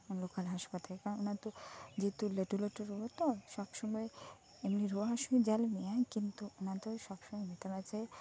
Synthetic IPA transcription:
lokalɦaʃpat̪alekaɾononat̪od͡ʑet̪uleʈuleʈuɾuɦot̪oʃɔbʃɔmɔe | emniɾuɦaʃumid͡ʑɛlmiakint̪uonat̪oʃɔbʃɔmɔjmet̪amat͡ɕaj

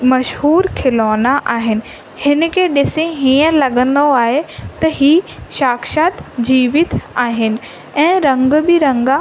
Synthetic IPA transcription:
mɐʃɦuːɾkʰɪloːnaʔaːɦɪnɪ̆ | hɪn̆kʰeːɗɪsẽɦĩːə̃lɐɠə̃nd̪oaːɦet̪ɐɦiːʃaːkʃaːt̪d͡ʑiːʋɪt̪ʰaːɦɪnɪ̆ | ɛ̃ːɾɐ̃ŋɡbɪɾɐ̃ŋɡa

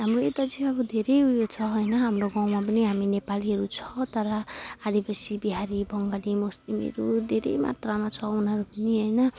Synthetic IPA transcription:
ɦamroet̪ad͡ziʌbʌd̪ʱeɾʌjujot͡sʰʌɦʌjnʌɦamroɡãwmap̬ʌniɦaminepaliɦʌɾut͡sʰʌ̥t̪ʌɾʌad̪ʱipʌsibiɦaɾibʱʌŋɡalimoslimḛɾud̪ʱeɾḛjma̰t̪ramat͡sʰʌunʌɾupʌniɦʌjnʌ

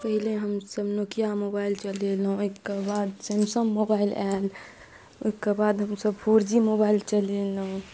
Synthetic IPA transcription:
pəɦileɦəmsəbnokijamobailt͡ʃəlelũokebad̪semsəmːobailɛl | okebad̪ɦəmsəbpʰoɾd͡ʒimobaːɪlt͡ʃəleləũ

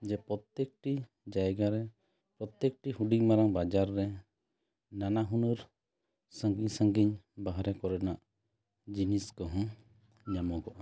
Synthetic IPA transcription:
d͡ʒɛpɾɔt̪jek̚ʈi | d͡ʒajɡaɾɛ | pɾɔt̪jɛk̚ʈihuɖiɲmaɾaŋbad͡ʒaɾːɛ | nanaɦunuɾ | səŋɡiɲsə̃ŋɡiɲbaɦɾɛkɔɾɛnaʔ | d͡ʒiniskɔɦɔ̃ | ɲamɔɡɔʔa

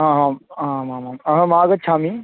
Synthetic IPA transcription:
ɦãːɦãːɦãmãmãmɐɦə̃maːɡət̪t͡ʃʰaːmiː

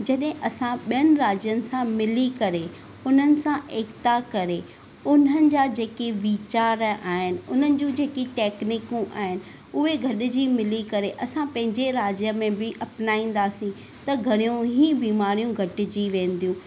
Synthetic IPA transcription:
d͡ʑɐɗɦɪ̃ʔɐsãɓijənɪ̆ɾaːd͡ʑjənɪ̆sãmɪlikɐɾe | ʊn̤ənɪ̆sãʔeːkt̪akɐɾe | ʊn̤ənɪ̆d͡ʑaːd͡ʑeːkeʋiːt͡ɕaːɾaːɦɪnɪ̆ʊn̤ənɪ̆d͡ʑũːd͡ʑeːkiʈɛːknɪkũʔa̰ːɦɪnɪ̆ | ʊɦeɡʱɐɗɪ̆d͡ʑimɪlikɐɾeʔɐsãpɐ̃ɦɪ̃ɲd͡ʑeɾaːd͡ʑjəmẽbɪʔɐpnaːĩːn̆d̪aːsĩ | t̪ɐɡʱɐɽ̃ijũɦibiːmaːɾijũɡʱɐʈɪ̆d͡ʑiʋẽːn̆d̪ijũ

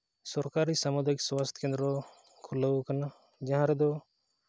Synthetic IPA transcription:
sɔɾkaɾisamud̪ʱajkswast̪kẽnd̪ɾɔ | kʰuləwkana | d͡ʒãɦãɾɛd̪ɔ

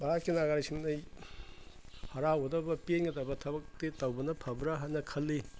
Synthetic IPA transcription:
bakinaɡaɾisiŋnɐj | hɐɾaodɐbɐpenɡɐtɐbɐtʰɐbɐk̚tetɐwbɐnɐpʰɐbɾaɦanɐkʰɐlːi

